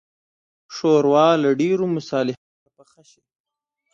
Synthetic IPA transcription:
ʂoɾwɑlaɖeɾomʊsɑlɪhat̪apaxaʃid

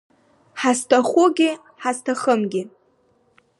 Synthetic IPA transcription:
ħastʰaχʷʊɡʲɪ | ħastʰaχəmɡʲɪ

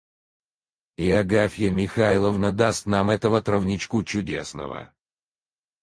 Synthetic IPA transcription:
ɪɐɡafʲjəmʲɪxalˠəvnəd̪ast̪namɛt̪əvət̪ɾəvnʲɪt͡ɕkut͡ɕʊdʲe̞̰snə̰və̰

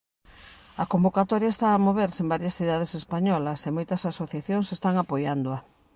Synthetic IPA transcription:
ɐkombokat̪ɔɾjaest̪aːmoβ̞eɾsembaɾjɐsθiðað̞esespaɲɔlɐsemojt̪ɐsasoθjaθjoŋsest̪aŋapojand̪oɐ

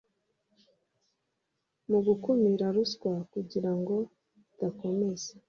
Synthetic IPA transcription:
muɡukumiɾaɾuskwakuɟiɾaŋɡo̞ | tako̞me̞ze

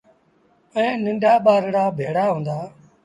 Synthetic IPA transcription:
ɛ̃ːnɪ̃ɳɖʱaːɓaːɾɽaːbʱeːɽaːɦũːnd̪aː

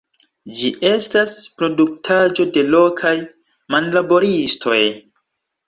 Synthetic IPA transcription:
d͡ʒiʔe̞staspɾo̞duk̚tʰad͡ʒo̞de̞lo̞kʰaj | manlabo̞ɾistʰo̞j

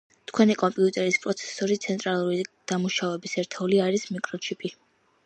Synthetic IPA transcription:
t̪ʰkʰwɛnikʼɔmpʼiut̪ʼɛɾispʼɾɔt̪sʰɛ̥sɔɾit̪sʰɛnt̪ʼɾalˠuɾid̪̥amuʃavɛbisɛɾt̪ʰɛuliaɾismikʼɾɔt͡ʃʰipʼi

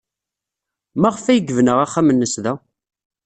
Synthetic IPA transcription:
mæʁəfæjəɡəvnəʁaχːæmənːəsðæ

